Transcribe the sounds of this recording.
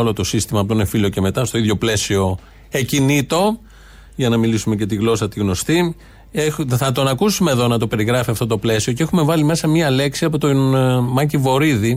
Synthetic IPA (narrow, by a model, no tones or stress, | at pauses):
olo̞t̪o̞sist̪imɐpot̪onefilo̞ce̞me̞t̪ɐst̪o̞iðʝo̞ple̞sio̞ | ecinit̪o̞ | ʝɐnɐmilisume̞ce̞t̪iɣlo̞sɐt̪iɣno̞st̪i | eθɐt̪o̞nɐkusumeðo̞nɐt̪o̞pe̞ɾiɣɾɐfiɐft̪o̞t̪o̞ple̞sio̞ceexume̞vɐlime̞sɐmɲiɐle̞ksiɐpo̞t̪onmɐcivo̞ɾiði